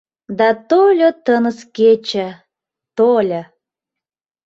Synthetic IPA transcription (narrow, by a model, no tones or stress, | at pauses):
d̪ɑt̪olʲot̪ənəsket͡ɕə̆ | t̪olʲə̆